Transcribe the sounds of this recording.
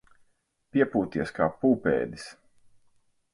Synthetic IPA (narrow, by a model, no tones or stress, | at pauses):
pʲiɛpuːt̪iɛskaːpuːpɛ̰ːd̪is